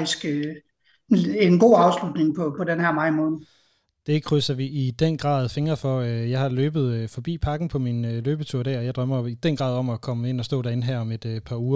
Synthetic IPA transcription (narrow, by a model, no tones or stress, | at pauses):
isɡ̥ | enɡ̥o̝̰ːɑ̈ʊslud̥ne̝ŋpʰɒ̽pʰɒ̽denhæɐmɑ̈ɪ̰mɔ̽ːn̩ | d̥e̝kʰʁysɐʋiʔid̥enɡ̥ʁɑ̰̈ːðˠfe̝ŋɐfɒ̽øjɑ̈ɪhɑ̈løːb̥ð̞̩ˠøfɒ̽b̥ḭːpʰɑ̈ɡ̥n̩pʰɒ̽minløːb̥ət͡sʰuɐ̰ɾ̥æɐ̰ɒjɑ̈ɪd̥ʁɶm̰ɐid̥enɡ̥ʁɑ̈ðˠɒ̽mɒkʰɒ̽məe̝n̰ɒ̽sd̥ɔ̰̽ːd̥æɐe̝nɦæɐ̰ɒ̽me̝d̥pʰɑ̈ːuːɐ